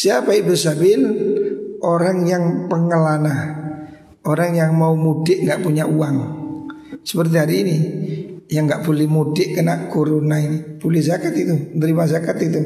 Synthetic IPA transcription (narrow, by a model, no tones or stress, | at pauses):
siapaɪʔbərsabɪl | ʔoɾaŋjaŋpəŋəlana | oɾaŋjaŋmaumudɪʔŋɡaʔpuɲaʔuaŋ | sə̥pərt̪̬iɦaɾiːni | jaŋɡaʔb̥olɛhmudɪʔkənaʔɡoɾonainib̥olɛhzakat̪it̪unt̪əɾimazakat̪it̪u